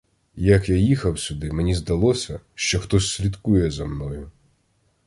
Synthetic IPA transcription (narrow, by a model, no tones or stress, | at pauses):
jɐkjajixɐwsʲʊd̪ɪmenʲizd̪ɐlˠɔsʲɐʃt͡ʃɔxt̪ɔsʲːlʲid̪kujɛzɐmnɔjʊ